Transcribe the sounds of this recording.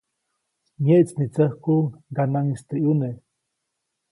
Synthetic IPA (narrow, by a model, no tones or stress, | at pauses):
ɲeʔt͡snit͡səhkuŋɡanaŋist̪ejune